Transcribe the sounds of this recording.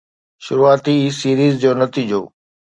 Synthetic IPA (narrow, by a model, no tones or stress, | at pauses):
ʃʊɾuaːt̪isiːɾiːzd͡ʑoːnɐt̪iːd͡ʑoː